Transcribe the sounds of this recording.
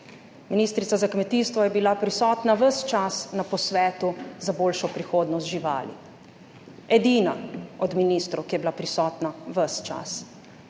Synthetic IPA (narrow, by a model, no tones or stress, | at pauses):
miniːst̪ɾit̪sazakmɛt̪iːst̪ʋɔjɛbilapɾisɔːt̪naʋəst͡ʃasnapɔsʋɛːt̪uzaboːlʃɔpɾixoːd̪nɔst̪ʒiʋa̰ːlḭ | ɛd̪iːnaɔd̪miniːst̪ɾukijɛbilapɾisɔːt̪naʋəst͡ʃa̰s